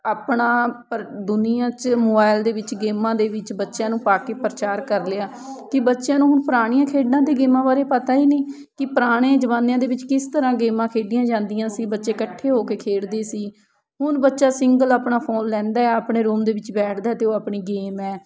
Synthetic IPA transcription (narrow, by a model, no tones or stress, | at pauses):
aːpɳaːpɾd̪ʊnɪjãːt͡ʃmoːbaːɪld̪eːʋɪt͡ʃɡeːmãːd̪eːʋɪt͡ʃbətːʃjãːnũːpaːkeːpɾət͡ʃaːɾkəɾleaː | kɪbətːʃjãːnũːɦʊnpəɾaːɽ̃ɪjãːkʰeːɖnãːd̪eːɡeːmãːbaːɾeːpət̪aːiːniː | kɪpəɾaːɽ̃ẽːd͡ʒəʋaːnjãːd̪eːʋɪt͡ʃkɪst̪əɾãːɡeːmãːkʰeːɖɪjãːd͡ʒãːnd̪ijãːsiːbətːʃeːkəʈʰːeːɦoːkeːkʰeːɽd̪eːsiː | ɦʊnbətːʃaːsɪŋɡəlaːpɳaːpʰoːnlɛ̃ːnd̪aːɛːaːpɳeːɾoːmd̪eːʋɪt͡ʃbɛːʈʰd̪aːɛt̪eːoːaːpɳiːɡeːmɛː